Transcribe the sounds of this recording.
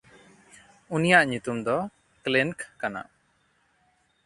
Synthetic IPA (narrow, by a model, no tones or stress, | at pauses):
unijaʔɲut̪umd̪ɔ | kliŋkkana̰